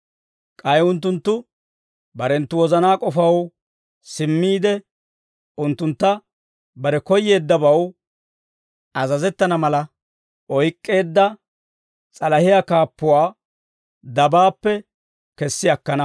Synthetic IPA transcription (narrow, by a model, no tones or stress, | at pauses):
kʼɐjʊnt̪̬ːʊnt̪ːʊ | bɐɾɛnt̪ːʊwɔzɐnaːkʼɔfɐw | sɪmːiːd̪ɛ | ʊnt̪ːʊnt̪ːɐ | bɐɾɛkɔjːe̞ːd̪ːɐbɐw | ɐzɐzɛt̪ːɐnɐmɐlɐ | ʔɔjkʼːe̞ːd̪ːɐ | t͡sʼɐlɐhɪjakaːpːʊwaː | d̪ɐbaːpːɛ | kɛsːɪjɐkːɐnɐ